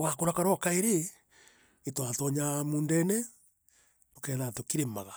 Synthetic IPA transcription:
wakoɾakaɾɔkaeɾe | etwatɔɲamuːndɛnɛ | tokɛːðatokiɾema̰ɣa

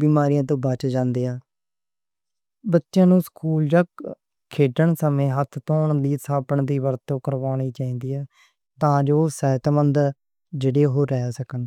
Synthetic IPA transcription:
biːmaːɾijãːt̪̬õːbət͡ʃd͡ʒãːnd̪eːaː | bətːʃjãːnũːskuːld͡ʒək | kʰːeːʈəɳsəmẽːɦət̪ʰt̪õːɳliːsaːpəɳd̪iːʋəɾt̪ːõːkəɾʋaːniːt͡ʃaːĩːnd̪iːɛː | t̪ãːd͡ʒoːsɛːt̪mənd̪ | d͡ʒeːɽeːɦoːɾːɛːsəkən

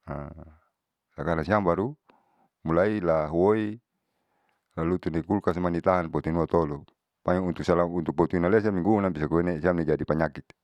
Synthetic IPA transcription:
a | lakanasiambaɾu | mulailaɦwoi | lalut̪uneɡulkas̬manit̪aɦanpɔt̪inuat̪ɔlu | paɲaunt̪uksalaunt̪uk̚pɔt̪inales̬amiŋɡunabisakuenesiamnid͡ʒadipaɲakit̪̚

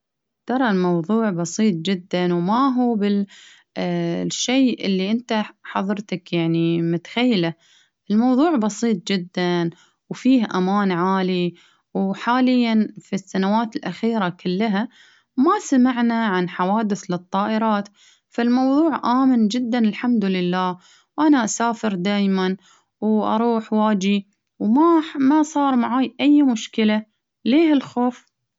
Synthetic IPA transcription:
t̪ɑɾˤɑlmɑwðˤuːʕbɑsˤiːt̪ˤd͡ʒɪd̪ːanwmaɦuːbɪl | ʃːeːʔɪlːiʔɪnt̪aħɑðˤɨɾˤt̪akjaʕnimʊt̪ḁxajːala | ʔɪlmɑwðˤuːʕbɑsiːt̪̚ˤd͡ʒɪd̪ːan | wfiːhʔamaːnʕaːli | wħaːlɪjːanfisːanawaːt̪ɪlʔaxiːɾakʰɪlːaɦa | masamaʕnaʕanħawaːd̪ɪθlɨt̪ˤːɑːʔɪɾɑːt̪ | falmɑwðˤuːʕʔaːmɪnd͡ʒɪd̪ːanɪlħamd̪ʊlɪlːaːh | wʔanaʔasaːfɪɾd̪aːjman | wʔɑ̰ɾˤuːħwaːd͡ʒi | wmamasˤɑːɾˤmaʕaːjʔajːmʊʃkɪla | leːhɪlxoːf

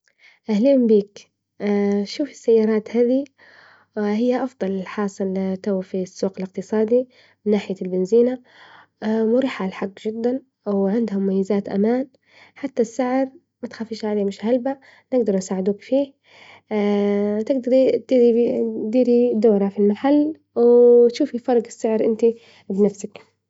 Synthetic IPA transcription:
ʔahliːmbiːkː | ʃuːfɪ̥sːajːɑːɾˤɑːt̪haːði | hɪjːaʔɑfd̪ˤɑlɪlħɑːsˤɨlt̪awfisːuːqɪlɪq̚t̪ɨsˤɑːd̪i | mɪnːaːħɪjalbɪnziːna | mʊɾiːħalħaɡːd͡ʒɪd̪ːan | ʔawʕɪnd̪hʊmːajːɪzaːt̪ʔa̰maːn | ħat̪ːasːaʕɾ | mat̪xaːfiːʃʕaleːmɪʃhalba | nɪɡd̪ɑɾˤnsaːʕɪd̪uːkfiː | t̪ɪɡd̪ɑɾˤid̪iːɾid̪iːɾid̪oːɾafilmaħalː | wɪt̪ʃuːfifɑɾˤɡɪsːɪʕɾʔɪnt̪i | bnafsak

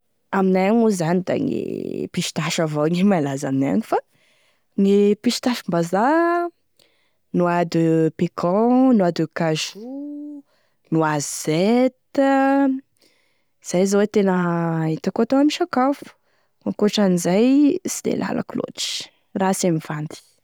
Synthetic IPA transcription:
aminajaŋuzanid̪a̰ŋḛpiʃi̥t̪aʃavoŋimalazaminaja̰ɲifa | ŋepiʃi̥t̪aʃmbaza | nuad̪upekʰɔ̃nuad̪ukaʒu | nuazz̥et̪ | iz̥ajzawet̪enəit̪akoat̪oŋamiʃakafu̥ | ŋakoʈ͡ʂanizajsid̪ḛlʔa̰lʔa̰kulo̰ʈ͡ʂi̥ | rasamivand̪i̥

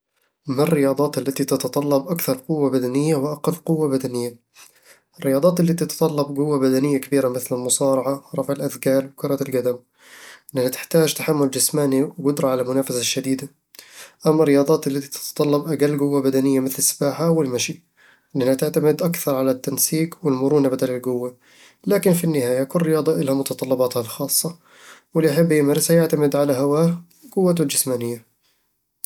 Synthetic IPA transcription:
marːɪjɑːd̪ˤɑːt̪alːat̪it̪ɑt̪ɑt̪ˤɑlːɑbʔakθɑɾˤqʊwːabad̪anɪjːawɪʔaqɪfqʊwːabad̪anɪjːa | ɪrːɪjɑːd̪ˤɑːt̪ɪlːit̪ɪt̪ɑ̥t̪ˤɑlːɑbɡʊwːabad̪anɪjːakabiːɾamɪθlɪlmʊsˤɑːɾˤɑʕaɾˤɑfʕɪlʔaðkaːlwɪkʊɾˤɑlɡad̪am | ʔʔɪnʔanhat̪ɪ̥ħt̪aːd͡ʒt̪aħamːʊld͡ʒɪsmaːniwɡʊd̪ɾˤɑʕalamʊnaːfasaʃːad̪iːd̪a | ʔamːaɾːɪjɑːd̪ˤɑːt̪ɪlːat̪i̥t̪ɪ̥t̪t̪ˤɑlːɑbʔaɡalːɡʊwːabad̪anɪjːamɪθlɪsːḁbaːħawɪlmaʃi | ʔɪnʔanhat̪ɪʕt̪amɪd̪ʔakθɑɾˤʕalat̪ːansiːqwɪlmʊɾˤuːnabad̪alɪlɡʊwːa | laːkɪnfinːɪhaːjakʊlrːɪjɑːd̪ˤɑʔɪlhamʊt̪ɑt̪ˤɑlːɑbɑːt̪halxɑːsˤːɑ | wɪlːiʔaħabːjɪmaːɾˤɪshajɪʕt̪amɪd̪ʕalaɦawaː | ɡʊwːat̪ɪld͡ʒɪsmaːnɪjːa

